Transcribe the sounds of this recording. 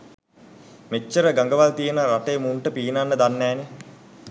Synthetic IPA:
met͡ʃːəɾəɡaŋɡəʋalt̪ijənəɾaʈəjːmuɳʈəpiːnanːəd̪anːæːne

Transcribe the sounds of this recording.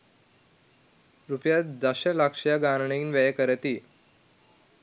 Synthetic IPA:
ɾupjat̪d̪əɕəlakʂjaɡaɾɳinʋɛjkəɾt̪iː

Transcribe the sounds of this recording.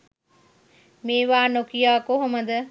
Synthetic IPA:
meːʋaːnokijaːkoɦoməd̪ə

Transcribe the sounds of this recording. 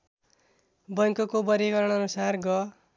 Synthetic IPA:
bʌjŋkʌkobʌɾiɡʌɾʌɽ̃ʌnusarɡʌ

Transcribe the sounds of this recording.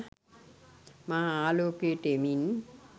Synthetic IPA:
maalokeʈemin

